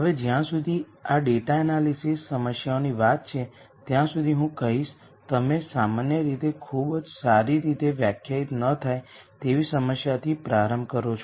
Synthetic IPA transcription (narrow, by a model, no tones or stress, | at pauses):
ɦəʋed͡ʒjãsud̪ʱi | aɖeʈaənalisisːəməsjaoniʋat̪̚t͡ʃʰe | t̪jãsud̪ʱiɦũkəɦiʃ | t̪əmesamanjəɾit̪ekʰubd͡ʒsaɾiɾit̪eʋjakʰjait̪nət̪ʰajt̪eʋisəməsjat̪ʰipɾaɾəmbkəɾot͡ʃʰo